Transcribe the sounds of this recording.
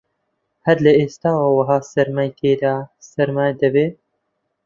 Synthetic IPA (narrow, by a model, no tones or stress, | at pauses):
hæɾlɐeːst̪aːwaːwɐɦɑːsɐɾmajt̪eːd̪aːsɐɾmaːjd̪ɐbeː